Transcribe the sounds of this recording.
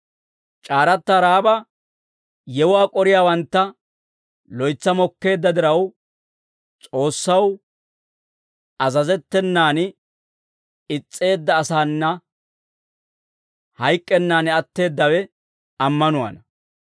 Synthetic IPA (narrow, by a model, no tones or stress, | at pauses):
t͡ʃʼaːɾɐt̪ːaɾaːbɐ | jɛwʊaːkʼɔɾɪjaːwɐnt̪ːɐ | lɔjt͡sːɐmɔkːe̞ːd̪ːɐd̪ɪɾɐw | t͡sʼo̞ːsːɐw | ɐzɐzɛt̪ːɛnːaːn | ɪt͡sʼːe̞ːd̪ːɐːsaːnːɐ | hɐjkʼːɛnːaːnɛɐt̪ːe̞ːd̪ːɐwɛ | ɐmːɐnʊwa̰ːnɐ